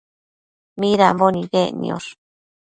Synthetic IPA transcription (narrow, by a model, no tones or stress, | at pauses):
mĩɾambonĩɣenḭ̃o̰ɾ